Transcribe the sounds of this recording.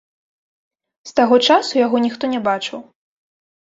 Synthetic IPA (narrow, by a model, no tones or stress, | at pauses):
st̪aɣɔt͡ʂasujaɣɔnʲixt̪ɔnʲɛbat͡ʂɨw